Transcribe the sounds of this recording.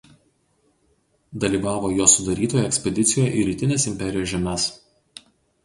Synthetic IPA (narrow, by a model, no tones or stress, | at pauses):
d̪ɐlʲiːʋɑːʋoːjoːsʊd̪ɐɾʲiːt̪oːjɛɛkʲsʲpʲɛd̪ʲɪt̪sʲɪjoːjɛʔiːɾʲiːt̪ʲɪnʲeːsɪmʲpʲɛɾʲɪjoːʒʲɛmʲɛs